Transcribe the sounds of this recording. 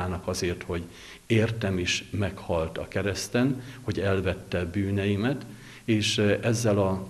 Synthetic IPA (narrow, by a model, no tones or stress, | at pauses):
aːnɒkɒzeːrt̪ho̞ɟ | eːrt̪ɛmeːʃmɛkhɒlt̪ɒkɛɾɛst̪ɛnho̞ɟɛlvɛt̪ːɛbyːnɛjimɛt̪ | eːʃɛzːɛlɒ